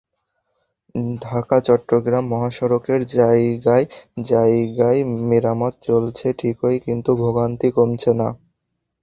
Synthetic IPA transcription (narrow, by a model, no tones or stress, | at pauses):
ɖʱakat͡ɕɔʈːɾoɡɾamːɔɦaʃɔɾokeɾd͡ʑajɡajd͡ʑajɡajmiɾamot̪̚t͡ɕolt͡ɕʰeʈʰikojkint̪ubʱoɡant̪ikomt͡ɕʰena̰